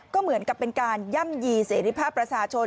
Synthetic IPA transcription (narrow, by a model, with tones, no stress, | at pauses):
kɔː˥˩mɯ˩˦ənka˨˩pːe˧nkaː˧nja˥˩mjiː˧seː˩˦ɾi˦˧˩pʰaː˥˩pːɾa˧t͡ɕʰaː˧t͡ɕʰo˧